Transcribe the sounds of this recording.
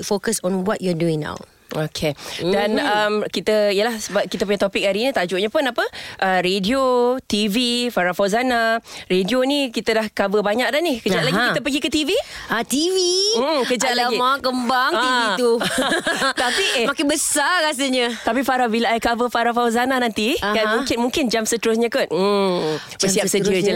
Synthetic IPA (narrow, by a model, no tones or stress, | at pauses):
fokəsɔ̃nwɔt̚jɔduiŋna̰w | okʰedanamkit̪əijəlahsəbap̚kit̪əp̬uɲat̪opɪk̚aɾinĩt̪ad͡ʒʊʔɲapʊnapəʔəɾediot̪ivifaɾafawzanaredionikit̪ədahkabəbaɲak̚danihkəd͡ʒat̪̚laɡikkt̪əp̬əɡikət̪iviat̪ivikəd͡ʒat̪laimakəmbaŋiit̪u | t̪apimakɪbəsaas̬əɲət̪apifaɾabilaakabəfaɾafawzananant̪iɡamũŋkɪnmuŋkɪnd͡ʒamsət̪əɾʊs̬ɲakan̩ | bəsiap̚səiə